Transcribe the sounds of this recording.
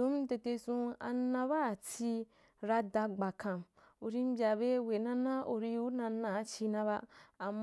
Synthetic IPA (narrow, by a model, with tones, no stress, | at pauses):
ũ˨˦m˦te˧te˧sũ˧a̰˧nːã˧ba˦˨t͡si˧ | ɾa˧da˧ɡ͡ba˨kã˨m | u˧ɾi˦m˦bʲa˧be˦we˨nã˦nã˦o˧ɾi˧u˦nã˧nːã˨˦t͡ʃi˧nã˧βa˧a˨mː